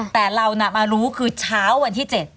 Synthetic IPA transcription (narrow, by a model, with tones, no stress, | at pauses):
t̪ɛː˨˩ɾa˧wna˦˩maː˧ɾuː˦˥kʰɯː˧t͡ɕʰaː˦˥wːa˧nt̪ʰiː˥˩t͡ɕe˨˩t̪̚